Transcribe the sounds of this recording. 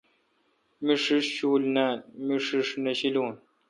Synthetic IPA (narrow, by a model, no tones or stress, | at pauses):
miʂiʂɕuːlnamiʂiʂnɐɕiloːn